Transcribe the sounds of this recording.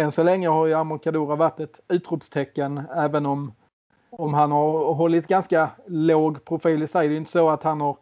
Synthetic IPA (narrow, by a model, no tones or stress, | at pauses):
ɛnsɔlɛŋːəhaɾjamʊɾkad̪uːɾavaʈːɛt̪ʉ̟ːt̪ɾʊpst̪ʰɛkːənæːvənɔm | ɔmɦanhaɾɦɔlːɪt̪ɡanskaloːɡpʰɾʊfiːlɪsɛd̪ɛjʏɪnt̪əsɔat̪hanhaɾ